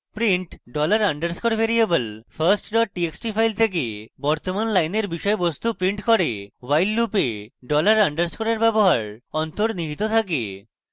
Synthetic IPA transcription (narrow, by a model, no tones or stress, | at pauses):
pɾiɳʈɖɔlaɾaɳɖaɾskoɾbʱeɾiebəlfʰaɾsʈɖɔʈ̚ʈieksʈifʰajlt̪ʰek̬ebɔɾt̪omanlajneɾbiʃɔebost̪upɾiɳʈkɔɾewajlːupeɖɔlaɾaɳɖaɾskoɾaɾbɛboɦaɾɔnt̪oɾniɦit̪ot̪ʰak̬ḛ